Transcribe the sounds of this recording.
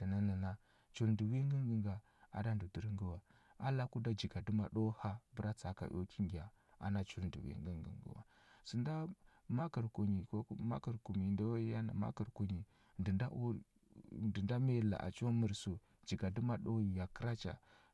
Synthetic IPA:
də˨na˦na˨na˦ | t͡ʃu˨lndu˨wi˦ŋɡə˦ŋɡə˨ŋɡa˨ | a̰˨da˦n˨du˨di˨ɾi˦ŋɡu˦wa˨a˦la˦ku˦da˦d͡ʒi˨ɡa˨du˦ma˨ɗo˦ha˦bə˦ɾa˦t͡sa˨ka̰˨ʔo̰˦ki˦ŋɡi˨a˨ | a̰˨na˦t͡ʃu˦lndṵ˨wḭ˦ŋɡə̰˦ŋɡə̰˨ŋɡṵ˦wa̰˨ | su˨nda˦ | ma˦kə˨ɾko˨ɲi˨ko˦ma̰˦kə˨ɾku˨mi˨nda˦wja˦na̰˨ma̰˦kə˨ɾko˨ɲi˨ | ndə˨nda˦ʔu˦ | nə˨nda˦me˦˨la̰˨ʔa̰˨t͡ʃo˦mə˨ɾso˨ | d͡ʒi˨ɡa˨du˦ma˦˨ɗo˦jja˨kə˦ɾa˦t͡ʃa̰˨

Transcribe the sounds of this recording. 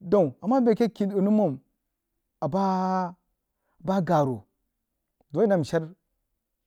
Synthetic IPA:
do˦˨a˨mːa˦be˨ke˦ki˨du˨nu˦mo˨m | a˨ba˦˨ | ba˦ɡa˨ɾu˨ | do˨˦i˦na˨m˨ʃa˦ɾ

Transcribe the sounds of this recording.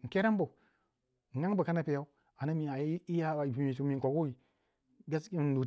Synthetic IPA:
ŋ̩˨ke˦ɾa˦m˦bo˨ | ŋa˦ŋ˦bə˨ka˦na˦pe˨ja˦u˦ | a˨na˦mi˨a˨ji˦ja˦˨bi˨mi˨su˨mi˨ŋ̩˨ko˨ɡu˦wi˨ | ɡa˦si˦˨du˨

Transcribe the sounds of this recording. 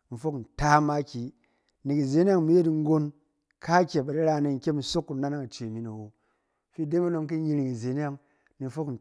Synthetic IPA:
m̩˨fo˦kn̩˨ta˦ma˦kʲi˨ | ni˨ki˨ze˦nʲ˦a˦ŋmi˦je˦tŋ̩˦ɡo˦n | ka˦kʲe˨ba˨di˦ɾa˦˨ne˨˧ŋ̩˨˦kʲe˦m̩˨˦so˦kːu˨na˦na˦ŋa˨t͡ʃe˨mi˨˦no˨wo˨ | fi˦˨de˦ma˦no˧ŋki˦i˧ɾi˨ki˨ze˨˦n˦a˦ŋ | ni˨˦fo˦kn̩˨

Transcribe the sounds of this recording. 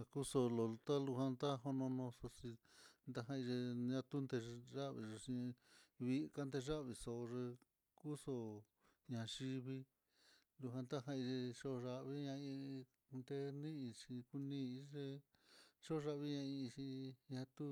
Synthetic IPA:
a˧ku˦so˧lo˨˧t̪a˦lu˧ɦã˧nd̪a˦ɦo˧nõ˧nõ˧so˧si˧nd̪a˧ɦã˧i˧ʐe˧ɲã˧t̪u˦nd̪e˧ʐa˦ʔβḭ˧˨ʐe˧ʂi˧βi˧˦˧ka˦nd̪e˧ʐa˦ʔβi˧so˧ʐe˧ | ku˦so˧ | ɲã˧˨ʃi˧βi˧ | lu˧ɦã˧nd̪a˦ɦã˧i˧ʐe˧ʂo˦˧ʐa˧ʔβi˦ɲã˧ĩ˧ | nd̪e˧nĩ˦ĩ˧t͡ʃĩ˧ku˧nĩ˦˧i˦ʐe˧ | ʂo˦˧ʐa˧ʔβi˦ɲã˧ĩ˧t͡ʃĩ˧ɲã˧t̪u˦

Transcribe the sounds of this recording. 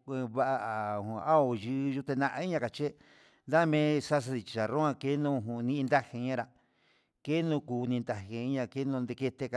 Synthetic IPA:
βa˦ʔa˧ʔa˨ũ˧a˦o˧˨ʒɨ˧ʒu˦˧t̪e˧nã˦˧ʔa˧i˦ɲã˧ka˨t͡ʃe˦ | nd̪a˦˧mẽ˦sa˦s̬a˧i˧t͡ʃi̥˨t͡ʃa˨ɾõ˦ã˧ke˦nũ˦˧ɦũ˧˨˧nĩ˦˧nd̪a˦he˧ɲã˦ɾa˧˨ | ke˦nũ˧kuː˧nĩ˧nd̪a˧he˧i˦ɲã˧ke˦nũ˧nd̪e˧ke˧t̪e˧ka˧

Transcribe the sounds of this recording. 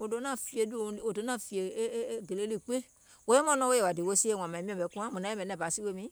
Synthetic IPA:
o˨do˨˦nã˦˨fi˦e˨du˦˨o˨do˨˦nã˦˨fi˨e˨˦ɡe˨le˦li˦˨k͡pe˦ | wo˦je˦m˦ã˦nɔ̃˦wo˦e˨a˨di˨wo˦si˦e˦˨wã˨mã˨mĩ˦ɔ̃˦˨bɛ˨˦ku˦ã˦mũ˨nã˨˦ɛ̃˦bɛ˨˦nɛ̃˦˨ba˨si˦we˦mĩ˨˦

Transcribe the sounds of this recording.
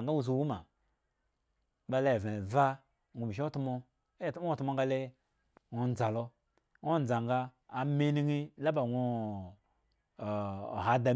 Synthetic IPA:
ŋɡa˦wu˦z̬u˨˦wu˦ma˨ | ba˧le˦˨ve˨va˦˨ | ŋʷu˧˨bi˨ʃ̬i˦o˦tu˦mo˧˦˨ | o˦tu˦mo˧ŋ˦ɡa˧le˦ | ŋo˧n˦d͡za˨lo˧ | ŋʷo˦n˨d͡za˨ŋɡaː˧˨ | me˦ni˦ŋi˦la˦ba˨ŋʷu˧˨ | ɦa˨da˨

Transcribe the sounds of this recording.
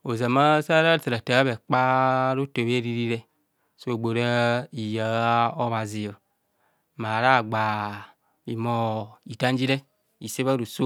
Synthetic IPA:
o˨za˨ma˦sa˦ɾa˦˨ta˨ɾa˨ta˨˦a˦βe˨k͡pa˦ɾo˦to˨βe˦ɾi˦ɾi˦ɾe˦ | so˦e˨ɡ͡bo˨ɾa˦i˨ja˨˦o˦βa˨zi˨o˨ | ma˨ɾa˦˨ɡ͡ba˨ | i˨mo˨i˨ta˦n˦d͡ʒi˦ɾe˦ | i˨se˦βa˦ɾu˨so˦

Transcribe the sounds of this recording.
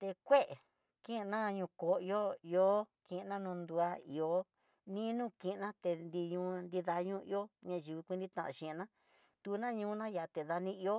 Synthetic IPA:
t̪e˧kʷe˦ʔe˨ | kĩ˦˧nã˦˧ɲũ˧ko˨i˧o˦i˧o˦kĩ˧ʔnã˦nũ˧nd̪u˧a˧ḭ˨o˨˦ | nĩ˦nũ˦kĩ˧˨˧nã˦t̪e˧nd̪i˧ɲũ˧˦nd̪i˧ða˧ɲũ˦i˧o˦ɲã˧ʒi˨βi˧kʷi˧nd̪ĩ˦t̪ã̰˧˨ã̰˨ʃĩ˧˨˧nã˦ | t̪u˧˦nã˦ɲũː˧˦nã˦ja˨t̪e˨ða˧nĩ˦i˧o˦

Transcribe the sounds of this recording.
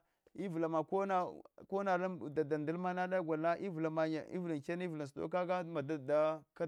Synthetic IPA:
i˦vu˨la˨ma˨ko˦na˦ko˦na˨lda˨da˨nda˦lma˦na˦da˦ɡʷa˨na˦ʔi˦vu˨la˨ma˨ɲ˨ḭ˦vu˨la˨ke˦n˦i˦vu˨la˨ns̬to̰˦ka˦ɡa˦ma˨da˨da˦ka˦

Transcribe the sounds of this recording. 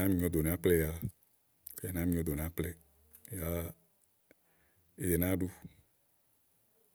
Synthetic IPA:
ã˦mĩ˦o˦d̪o˨nẽ˨a˦k͡plɛ˦ja˨ | ke˦e˨nã˦mĩ˦o˦d̪o˨nẽ˨a˦k͡plɛ˦˨ | ja˦ | e˨je˨nã˦ɖu˦

